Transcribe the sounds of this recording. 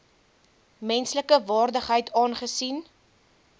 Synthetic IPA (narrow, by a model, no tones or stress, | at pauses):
mɛnsləkəvɑːrdəχɦəjtʰɑːnχəsin